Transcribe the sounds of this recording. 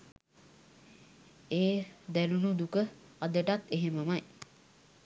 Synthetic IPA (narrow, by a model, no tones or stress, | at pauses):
eːd̪ælunud̪ukəad̪əʈat̪eɦeməmaj